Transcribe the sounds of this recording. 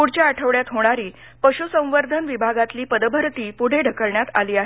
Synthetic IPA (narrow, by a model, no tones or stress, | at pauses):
puɽ̤t͡ɕjaːʈʰəʋɭjat̪ɦoɽ̃aɾiː | pəɕusə̃w̃ʋəɾd̪ʱənʋibʱaɡat̪liːpəd̪bʱəɾt̪iːpuɽ̤eɖʱəkəɭɳjat̪a̰liːaɦe